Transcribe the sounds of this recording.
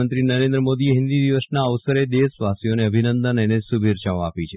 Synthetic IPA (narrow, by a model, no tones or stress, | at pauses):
ənt̪ɾinəɾẽnd̪ɾəmod̪ieɦɪ̃nd̪id̪iʋəsnaəʋsəɾed̪esʋasijoneəbʱinənd̪ənənesubʱiɾt͡ʃaoa̰pit͡ʃʰe